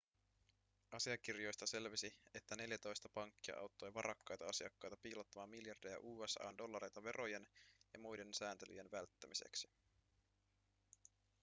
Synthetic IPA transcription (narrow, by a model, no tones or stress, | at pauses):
ɑsiɑk̟irjo̞jst̪ɑse̞lʋisie̞t̪ːæne̞ljæt̪o̞jst̪ɑpɑŋkːiɑ̰ʔɑ̰wt̪ːo̞jʋɑɾʔɑkːɑjt̪ɑɑsiɑkːɑjt̪ɑpiːlot̪ːɑmɑːmiljɑrdejæ̰ʔuːesɑ̰ːndo̞lːɑɾe̞jt̪ɑʋe̞ɾʔoje̞njɑ̰mujde̞nsæːnt̪e̞ly̰jenʋælt̪ːæmise̞̰ksi̥